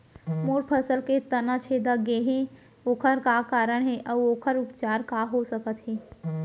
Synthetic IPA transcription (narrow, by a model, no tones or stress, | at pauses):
moːɾpʰəsəlket̪ɐnat͡ʃʰeːd̪aɡeɦẽ | oːkʰəɾkakaːɾəɽ̃ɦɛʔɔːoːkʰəɾʊpt͡ʃaːɾkaɦosəkət̪ɦɛː